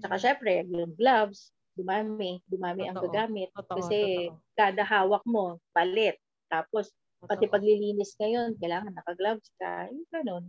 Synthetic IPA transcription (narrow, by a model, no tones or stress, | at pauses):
t͡ʃɐkaʃɛmpɾɛɐɡjʊŋɡlabs | ɡ̪ʊmaːmɪd̪ʊmaːmɪʔɐŋɡɐɡaːmɪt̪̚kɐsɛkaːd̪ɐɦaːwɐk̚mo̞pɐlɛt̪̚ːaːpo̞s | pɐt̪ɪpɐɡlɪliːnɪskɐjo̞nkɐjlaːŋɐnːɐkɐɡlabskɐ̰ɪɡɐno̞n